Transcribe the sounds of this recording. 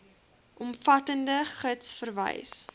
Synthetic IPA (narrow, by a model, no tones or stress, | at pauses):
ʔɔmfɐtəndəχətsfərvə̰js